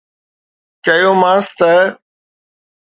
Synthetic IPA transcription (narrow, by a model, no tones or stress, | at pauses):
t͡ʃəjoːmãːst̪ə